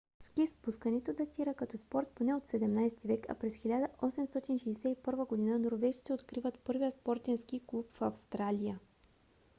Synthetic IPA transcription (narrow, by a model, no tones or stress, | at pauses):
skispuskənɛt̪od̪ɐt̪ʰiɾəkɐt̪ɔspɔɾt̪̚ponɛot̪sɛd̪ɛmnajsɛt̪ivɛkɐ̰pɾɛsxilʲad̪əʔɔsɛmst̪ɔt̪inʃɛjsɛipɤɾvəɡod̪inənoɾvɛʒi̥t̪sʲiot̪kɾivət̪pɤɾvijəspɔɾt̪ɛnskiklˠupfɐfst̪ɾalʲijə